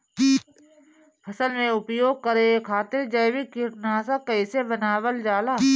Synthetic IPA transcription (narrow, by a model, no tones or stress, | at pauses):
pʰɐsəlmẽʊpjoːɡ̚kəɾekʰaːt̪ɪɾd͡ʒəjʋɪkɪʈnaːsakɐɪsebənaːʋəld͡ʒaːlaː